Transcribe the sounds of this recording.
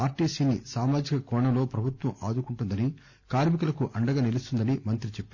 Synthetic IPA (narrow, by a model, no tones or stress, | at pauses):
aːɾʈiːsiːnisaːmaːd͡ʒikɐkɔːɳɐmlo̞ːpɾɐbʱut̪wʋɐma̰ːd̪ukuɳʈund̪ɐni | kaːɾmikɐlɐkuʔɐɳɖɐɡaːnilist̪und̪ɐnimɐnt̪ɾit͡ʃepːi